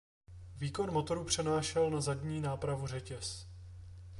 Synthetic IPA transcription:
viːko̞nmo̞t̪o̞ɾupr̝̥ɛnaːʃɛlnazadɲiːnaːpɾavur̝ɛcɛs

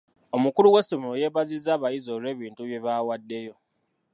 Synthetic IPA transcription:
o̞mukuluwesomoje̞βazizːaːβajizoːɾe̞ːβiːntuβje̞βawadːe̞jo̞

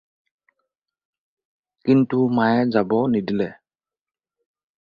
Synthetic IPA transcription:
kintumajɛd͡ʒabɔnidilɛ

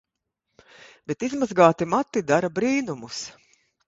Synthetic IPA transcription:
bet̪izmazɡaːt̪imat̪ːid̪aɾabɾiːnumus

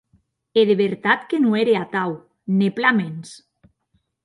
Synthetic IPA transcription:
eðeβeɾt̪at̪kenueɾeat̪aw | neplamens

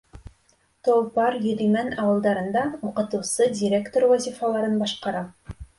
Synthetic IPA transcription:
t̪olˠpɑɾjɵ̆ɾimænɑwɤ̆lˠd̪ɑɾɤ̆nd̪ɑuqɤ̆t̪ɤ̆wsɤdʲiɾʲe̞kt̪orwæzʲifɑlˠɑɾɤnbɑʃqɑɾɑ

